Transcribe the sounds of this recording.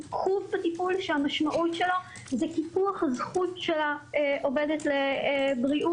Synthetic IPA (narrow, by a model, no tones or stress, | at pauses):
kχuvbatipulʃeamaʃmaʔutʃelo | zekipuaχhazχutʃelaʔo̞vedetlebʁiʔu